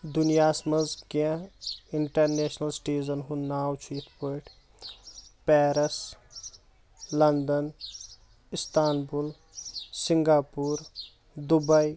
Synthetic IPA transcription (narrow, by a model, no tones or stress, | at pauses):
d̪unijaːsmɐzkãɪɳʈɐɾneːʃnɐlsʈeːzənɦunnaːwt͡ʃʰiːt̪ʰpoʈʰ | pɛːɾɐs | lɐnd̪ɐn | ist̪ʰaːnbul | siŋɡaːpuːɾ | d̪ubɐi